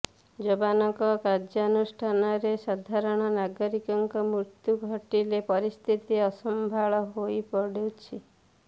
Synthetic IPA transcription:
d͡ʒɔbanɔŋkɔkad͡ʒanusʈʰanɔɾesad̪ʱaɾɔɽ̃ɔnaɡɔɾikɔŋkɔmɾut̪juɡʱɔʈilepɔɾist̪ʰit̪iɔsɔmbʱaɭɔɦojpɔɽewt͡ʃʰi

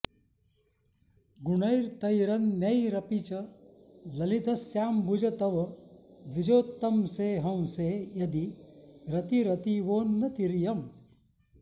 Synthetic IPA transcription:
ɡuɳɐjɾt̪ɐjɾɐnːjɐjɾɐpit͡ʃɐ | lɐlit̪ɐsjaːmbud͡ʒɐt̪ɐʋɐd̪ʋid͡ʒoːt̪ːɐmseːɦɐwseːjɐd̪iɾɐt̪iɾɐt̪iʋoːnːɐt̪iɾjɐm

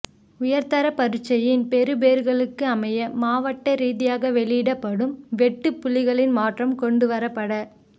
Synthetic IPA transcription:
ʊjɐɾt̪ɐɾɐpɐɾɯt͡ʃːɐjɪnpɛɾɯbeːɾɣɐɭɯkːɯɐmɐjɐmaːʋɐʈːɐɾiːðɪjaːɣɐʋɛɭɪjɪɽɐpːɐɽɯmʋɛʈːɯpːʊlːɪɣɐɭɪnmaːʈrɐmkɔɳɖɯʋɐɾɐpːɐɽɐ

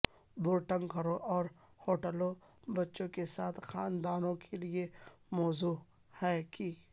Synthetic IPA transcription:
bʊɾʈə̃ŋɡkɐɾoʔɔːɾ | hoːʈəlo | bɐtːʃõkesaːt̪ʰxa̰ːnd̪aːnõkʰeliemɔːzuː | hɛːkiː

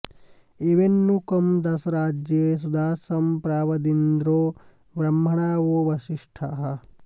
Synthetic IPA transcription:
eʋenːukɐmd̪ɐsɾaːd͡ʒjɐs̬ud̪aːsɐmpɾaːʋɐd̪ind̪ɾoː | ʋɾɐm̤ːʱɐɳaːʋoːʋɐʃiʂʈʰɐɦɐ

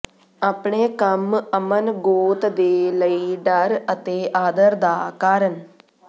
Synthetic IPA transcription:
aːpɳeːkəməmənɡoːt̪d̪eːləiːɖəɾət̪eːʔaːd̪əɾd̪aːkaːɾəɳ

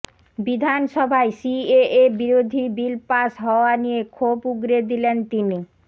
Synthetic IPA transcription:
bid̪ʱanʃɔbʱaesieʔebiɾod̪ʱibilpaʃɦɔoanijekʰobuɡɾed̪ilent̪ini

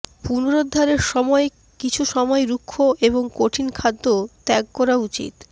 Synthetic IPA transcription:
punoɾod̪ʱːaɾeɾʃɔmɔe | kit͡ɕʰuʃɔmɔeɾukʰːoʔeboŋkoʈʰinkʰad̪ːot̪ɛɡ̚kɔɾaut͡ɕḭt̪

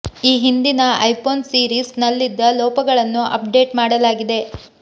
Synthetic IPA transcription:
iːɦind̪inɐʔɐjpʰoːnsiːɾiːsnɐlːid̪ːɐlɔːpɐɡɐɭɐnːuʔɐp̚ɖe̞ːʈmaːɽɐlaːɡid̪e̞

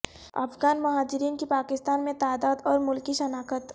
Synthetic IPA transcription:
ɐ̰fɡaːnmɐɦaːd͡ʒɪɾiːnkipaːkɪst̪aːnmẽt̪aːd̪aːd̪ɔːɾmʊlkiʃɐnaːkət̪

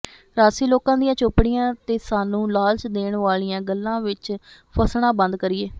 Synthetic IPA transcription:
ɾaːsiːloːkãːd̪ijãːt͡ʃopɽɪjãːt̪eːsaːnũːlaːlt͡ʃd̪eːɳʋaːɭijãːɡəlːãːʋɪt͡ʃpʰəsɽãːbənd̪kəɾɪeː

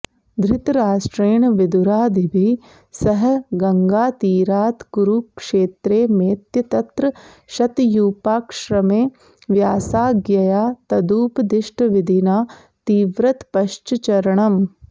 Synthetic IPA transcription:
d̪ɾɪt̪ɾaːsʈɾeːɳʋɪd̪uɾaːd̪ʱibʱi | sɐɦɡɐŋɡaːt̪iːɾaːt̪ɡuɾuːp̚kʂeːt̪ɾeːmeːt̪jɐt̪ɐt̪ɾə | ʃɐt̪juːpaːkʂɾɐmeː | ʋjaːsaːɡjɐjaːt̪ɐd̪uːpd̪ɪʂʈʋid̪ʱinaː | t̪iːʋɾɐt̪pɐʃt͡ʃɐt͡ʃɐɾɐɳɐm

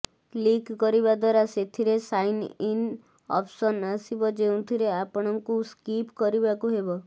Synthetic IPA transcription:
klikːɔɾibad̪waɾaset̪ʰiɾesajnin | ɔ̰psɔnasibɔd͡ʒeũt̪ʰiɾeapɔɽ̃ɔŋkuskipkɔɾibakuɦebɔ

